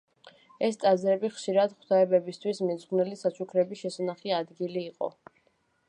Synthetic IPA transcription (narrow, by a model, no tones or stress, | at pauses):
ɛst̪ʼazɾɛbiχʃiɾad̪χwd̪ʰaɛbɛbist̪ʰwismɛzʁnɛlisat͡ʃʰukʰɾɛbiʃɛsanaχiad̪ɡiliːqʼɔ̰